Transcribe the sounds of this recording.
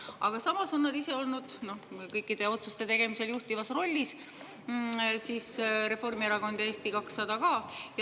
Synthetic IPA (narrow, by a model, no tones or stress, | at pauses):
ɑɡ̥ɑsɑmɑso̞nːɑd̪ise̞o̞lnud̪̥no̞hkɤjkːˑid̪̥e̞o̞t̪sust̪e̞t̪e̞ɡ̥e̞mise̞ljuht̪ivɑsro̞lʲːis | siːsɾe̞fo̞rmieɾɑɡo̞nd̪̥e̞ːst̪ikɑksːɑd̪ɑɡɑːj